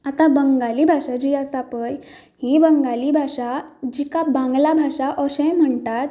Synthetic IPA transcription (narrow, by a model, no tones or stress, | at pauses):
at̪abəŋɡaliːbʱaʂad͡ʑiasapəj | hibəŋɡalibʱaʂad͡ʑikabãŋɡlabʱaʂaʔəɕɛ̃jm̤əɳt̪at̪